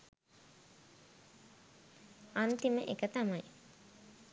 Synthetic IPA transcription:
ant̪iməʔekət̪amaj

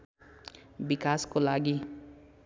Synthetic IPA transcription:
bikaskolaɡi

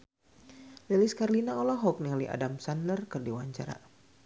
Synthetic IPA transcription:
lɛliskarlinaɔlɔɦɔk̚niŋaliʔa̰damsandərkɨrdiwaɲt͡ʃa̰ɾa̰

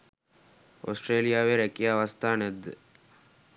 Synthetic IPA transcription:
o̰sʈreːlijaːʋeɾɛkijaːʋast̪aːnɛd̪ːə

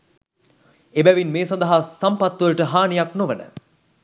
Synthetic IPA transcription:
ebæʋinmeːsɐnd̪ɐɦasampat̪ʋələʈəɦaːnijaknoʋənə̰

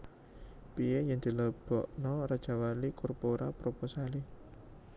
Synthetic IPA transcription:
pieɲɪŋd̪̥i̤ləb̥ɔʔnɔrad̥ʒ̥a̤walikɔrpoɾʔapɾoposali

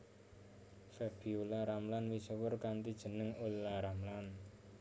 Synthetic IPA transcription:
fɛb̥iulaɾamlanwisəwərkant̪id̥ʒ̥ə̤nəŋolːaɾamlan

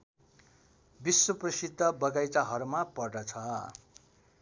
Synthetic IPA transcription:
biswʌprʌsid̪ːʌbʌɡajt͡saɦʌrmapʌrɖʌt͡sʰʌ

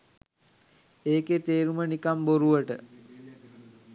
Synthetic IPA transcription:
eːket̪eːɾumənikamboɾuʋəʈə

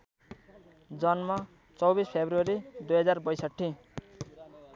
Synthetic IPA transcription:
d͡zʌnmʌ | t͡sʌwbispʰebruʌɾid̪ujɦʌd͡zarbʌjsʌʈʰːi

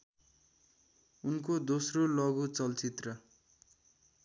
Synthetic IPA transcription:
unkod̪osrolʌɡut͡sʌlt͡sit̪rʌ

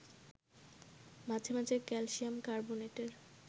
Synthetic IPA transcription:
mad͡ʑʱʰemad͡ʑʱeɾkɛlʃiamkaɾboneʈeɾ

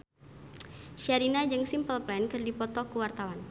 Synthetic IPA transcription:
ʃaɾinad͡ʒɨŋsimpəlplɛnkɨrdipɔt̪ɔkuwart̪awan

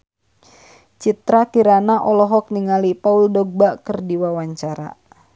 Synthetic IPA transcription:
t͡ʃit̪ɾakiɾanaʔɔlɔɦɔk̚niŋalipauldɔɡ̚bakərdiwawaɲt͡ʃaɾa̰

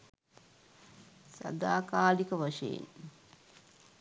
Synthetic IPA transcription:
sa̰d̪aːkaːlikəʋaʂejḛn

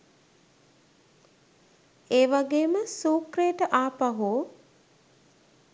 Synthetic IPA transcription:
eːʋaɡeːməsuːkɾeːʈəʔaːpaɦuː

